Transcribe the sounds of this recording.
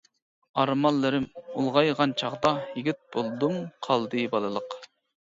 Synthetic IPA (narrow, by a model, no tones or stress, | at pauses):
ɑɾmɑlˠːɨɾɪmulˠʁɑjʁɑnt͡ʃʰɑʁd̪ɑhiɡʲit̪̚b̥olˠd̪umqʰɑlˠd̪ɨbɑlˠɨlˠəq